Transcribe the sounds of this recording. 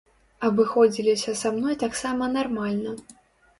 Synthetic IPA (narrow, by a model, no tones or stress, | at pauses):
ɐbɨxɔd͡zʲilʲisʲɐsamnɔjt̪aksamɐnarmalʲnɐ